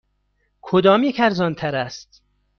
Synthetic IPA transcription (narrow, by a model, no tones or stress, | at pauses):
kʰod̪ɒːmjekʰæɾzɒːnt̪ʰæɾæst̪